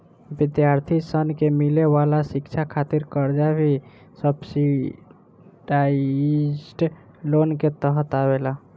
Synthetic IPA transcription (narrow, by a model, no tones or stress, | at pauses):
bɪd̪jaɾt̪ʰisənkemilewalasɪkt͡ʃʰakʰat̪iɾkəɾd͡ʒabʱi | səbsi | ɖa | sʈ | lonket̪əɦət̪abela